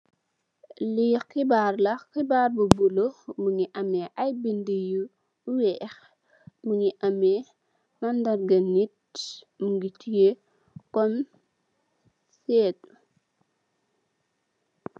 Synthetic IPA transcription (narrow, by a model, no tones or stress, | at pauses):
lixibarlɐxibarbubulomuŋiʔɐmɛʔajbindiju | wɛx | muŋiʔɐmɛ | mɐndɐrɡɐnit̚ | muŋɡitije | kɔm | sɛːt̚